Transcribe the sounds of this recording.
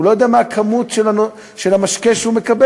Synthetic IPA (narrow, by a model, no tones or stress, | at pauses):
ulojo̞d̪eamaːkʰamutʃelanu | ʃelamaʃkeʃhumekabe